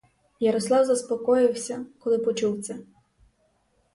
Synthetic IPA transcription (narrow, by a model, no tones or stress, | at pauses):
jɐɾɔslˠɑwzɐspɔkɔjɪwsʲɐkɔlˠɪpɔt͡ʃuwt̪sʲɛ